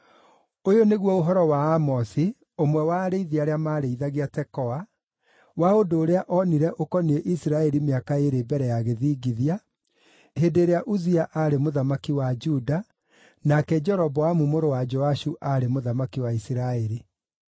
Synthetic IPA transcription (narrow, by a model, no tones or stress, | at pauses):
ojoneɣwɔoɦɔɾɔwaːmɔsi | omwɛwaːɾeiðiaɾeamaɾeiðaɣiatɛkɔa | waodoːɾeaʔɔniɾɛʔokɔnieʔisiɾaɛɾimeakaeɾebɛɾɛjaɣeðiːɡiðia | hendeɾeaʔuziaʔaɾemoðamakiwad͡ʒuda | nakɛd͡ʒɛɾɔbɔamumoɾowad͡ʒɔaʃuʔaɾemoðamakiwaisiɾaɛɾi